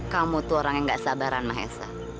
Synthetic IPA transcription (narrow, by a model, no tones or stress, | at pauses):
kamut̪uoɾaŋjaŋɡaʔsabaɾanmaɦɛ̰sa̰